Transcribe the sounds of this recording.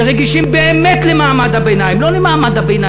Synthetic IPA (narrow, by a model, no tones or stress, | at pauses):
ʁeɡiʃimbeemet̪lemaːmad̪habejnajimlo̞lemaːmad̪abejna